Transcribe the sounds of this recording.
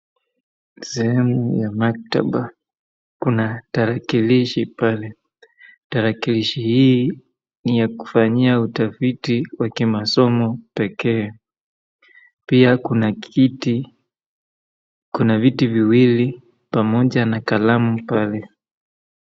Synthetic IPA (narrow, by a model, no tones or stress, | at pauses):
sɛhɛmujamak̚ta̰ɓa | kunataɾakiliʃipalɛ | taɾakiliʃihiː | nijaku̥faɲiautafitiwakimasɔmɔpɛkɛː | piakunaiti | kunavitiviwili | pamɔʄanakalamupalɛ